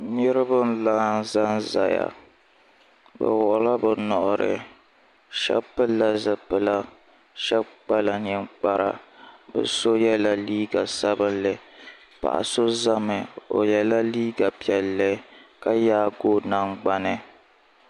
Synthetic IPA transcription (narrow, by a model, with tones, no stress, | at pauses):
nɨ˦ɾɨ˦bɨ˦n˦laː˦n˦za˦nza̰˨ja̰˨ | bɨ̰˨wɔ˨ʔʊ˨la˦bɨ˨nɔ˨ʔʊ˨ɾɨ̰˨ | ʃɛ̰˦bpɨ˦lːa˦zɨ˨pɨ˨la˦ | ʃɛ˦bk͡pa˦la˨ɲi˨mk͡pa˦ɾa̰˨bɨ̰˨so˦jɛ˦la˦liː˦ɡa˨sa˦bɨ˦nlɨ˨ | pa̰˨ʔa̰˨so˦za˦mɨ˨o̰˨jɛ˨la˦liː˦ɡa˨pi˨ɛ˨lːɨ˦ka˦jaː˦ɡo˦na˨ŋɡ͡ba˦nɨ˨